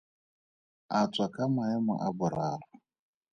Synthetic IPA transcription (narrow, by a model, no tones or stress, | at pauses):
at͡sʼwakʼamaɛmɔ̰ʔabʊɾaːra